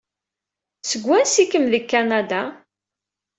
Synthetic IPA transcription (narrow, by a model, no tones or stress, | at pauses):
səɡʷːænsikːəmðəkːanad̪a